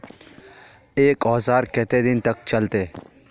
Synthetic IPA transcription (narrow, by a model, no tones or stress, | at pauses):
eːkɔːzaːɾkɛt̪ed̪ɪnt̪əkt͡ʃəlt̪eː